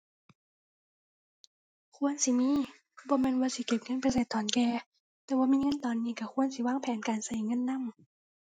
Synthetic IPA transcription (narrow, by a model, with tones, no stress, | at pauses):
kʰu˧˥˨ənsi˧˦miː˧˥˨ | bɔː˧˦mɛː˧˥˨nwaː˧si˧˦ke˨˩p̚ŋɤ˧˥˨npa˧˦seː˨˧˩t̪ʰːɔː˨˦nkɛː˧ | t̪ɛː˧˦waː˧˨miː˧˥˨ŋɤ˧˥˨nt̪ɔː˨nːiː˧˨ka˧˩kʰu˧˥ənsi˧˦waː˧˩˨ŋpʰɛː˨˦nkaː˨nsa˧˩˦jŋɤ˧˥˨nːa˧˥˨m